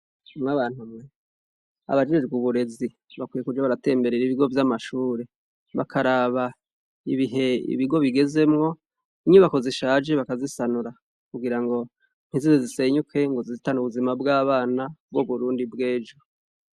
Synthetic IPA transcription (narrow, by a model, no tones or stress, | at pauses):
mŋaβaːn̥humŋe | a̰βad͡ʒied͡ʒɡuβuɾe̞zi | βakwije̞kud͡ʒaβaɾate̞ːmbe̞ɾeɾiβiɡo̞vjamaʃuːɾe̞ | βakʰaɾaːβa | iβiɦe̞ḭβiɡo̞βiɡe̞ze̞mŋo̞ | iɲuβako̞ziʃaːd͡ʒe̞βakazisanuɾa | kuɡiɾaŋɡo̞ | n̥hizizizise̞ɲukʰe̞ŋɡo̞zizitanuβuzimabɡaːβaːnab̚ɡoβuɾuːndibɡeːd͡ʒu